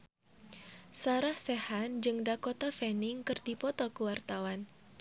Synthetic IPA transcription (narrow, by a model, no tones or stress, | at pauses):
saɾahsehand͡ʒɨŋdakɔt̪afɛnɪŋkɨrdipɔt̪ɔkuwart̪awan